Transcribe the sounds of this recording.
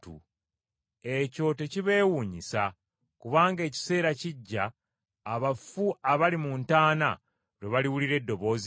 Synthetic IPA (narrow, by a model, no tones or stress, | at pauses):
ṵ | e̞co̞te̞ciβe̞ːwuːɲisa | kuβaːŋɡe̞ːci̥se̞ːɾaciɟːaː | βafuaβalimuntaːna̰ | ɾweβaliwuliɾe̞dːo̞βo̞ːzi